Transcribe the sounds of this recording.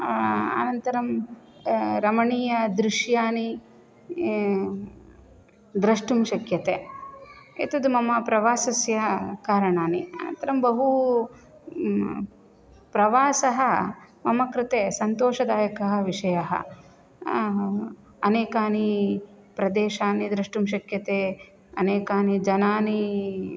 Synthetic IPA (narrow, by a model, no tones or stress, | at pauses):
ɐ̰nɐnt̪ɐɾɐm | ɾɐmɐɳiːjɐd̪ɾiʂjaːni | d̪ɾɐʂʈumʃɐkjɐt̪e | ḛt̪ɐd̪umɐmɐpɾɐʋaːsɐsjɐkaːɾɐɳaːniɐ̰nɐ̰nt̪ɐɾɐmbɐɦu | pɾɐʋaːsɐɦɐmɐmɐkɾɪt̪eːsɐnt̪oːʃɐd̪aːjɐkɐɦɐ̆ʋiʂɐjɐɦɐ̰ | ɐneːkaːni | pɾɐd̪eːʃaːnid̪ɾɐʂʈumʃ̬ɐkjɐt̪eː | ɐ̰neːkaːnid͡ʒɐnaːni